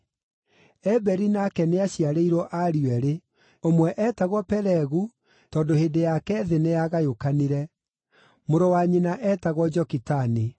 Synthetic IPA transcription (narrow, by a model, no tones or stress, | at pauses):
ɛbɛɾinakɛneaɕiaɾeiɾɔʔaɾiwɛɾe | omwɛʔɛːtaɣwɔpɛɾɛɣu | tɔːndohedejakɛðenejaɣajokaniɾɛ | moɾowaɲenaʔɛtaɣwɔd͡ʒɔkitani